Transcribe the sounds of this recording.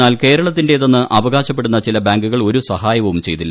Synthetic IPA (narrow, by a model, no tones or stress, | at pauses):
aːlke̞ːɾɐɭɐt̪ːinde̞ðɐnːɨʔʔɐʋɐɣaːɕɐp̬ːe̞ɽunːɐt͡ɕilɐbaːŋɡuɣɐɭo̞ɾusɐɦaːjɐʋɐʋumt͡ɕe̞jt̪ilːɐ